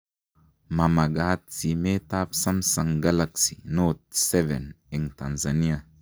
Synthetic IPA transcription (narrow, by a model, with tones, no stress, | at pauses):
ma˨ma˨ɡa˦t̚si˨me˦ta˦psa˦msa˨ŋɡa˦la˦ksi˨no˦t̚sɛ˦vɛ̰˨n | i˨ŋta˨nza˨ni˦a˨